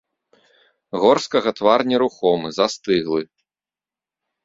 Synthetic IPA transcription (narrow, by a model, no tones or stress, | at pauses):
ɣɔrskɐɣɐt̪varnʲiɾuxɔmɨzast̪ɨɣlˠɨ